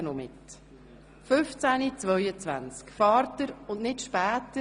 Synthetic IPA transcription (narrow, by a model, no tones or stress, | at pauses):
nɔmɪt | fʏft͡sænit͡svœjət͡svænt͡skfɑːɾtəɾʊndnɪtʃpæːtə